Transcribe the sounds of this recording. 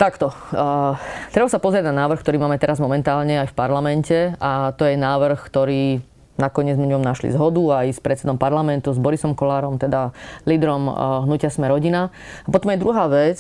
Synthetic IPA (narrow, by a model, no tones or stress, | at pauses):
t̪akt̪ɔ | t̪ɾɛbasapɔzɾɪaɟnanaːʋɾ̩xkt̪ɔɾiːmaːmɛt̪ɛɾazmɔmɛnt̪aːlɲɛajfpaɾlamɛncɛat̪ɔjɛnaːʋr̩xkt̪ɔɾiː | nakɔɲɪɛd͡zzmɛɲɔmnaʃlḭzɦɔd̪uajspɾɛt̪t͡sɛd̪ɔmpaɾlamɛnt̪uzbɔɾisɔmkɔlaːɾɔmt̪ɛd̪aliːd̪ɾɔmɦnucɪasmɛɾɔɟina | apɔt̪ɔmjɛd̪ɾuɦaːʋɛt͡s